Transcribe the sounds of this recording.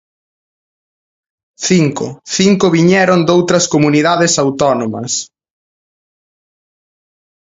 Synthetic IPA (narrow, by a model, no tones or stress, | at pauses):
θiŋkʊ̰θiŋkʊβiɲɛɾõnd̪owt̪ɾɐskomuniðaðɪsawt̪ɔnomɐs